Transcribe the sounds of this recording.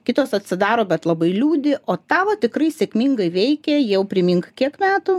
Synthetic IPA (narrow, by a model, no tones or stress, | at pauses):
kʲɪt̪oːsɐt̪ʲsʲɪd̪ɑːɾoːbʲɛt̪lˠɐbɐɪlʲuːd̪ʲɪʔoːt̪ɑːʋɐt̪ʲɪkrɐɪsʲeːkmʲiŋɡɐɪʋʲɛɪkʲɛjɛʊpʲɾʲɪmʲɪŋkkʲiɛkmʲæːt̪ʊ